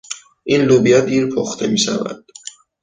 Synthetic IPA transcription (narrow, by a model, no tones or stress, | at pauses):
ʔinlubijad̪iːɾpʰoxt̪ʰemiːʃævæ̰d̪̥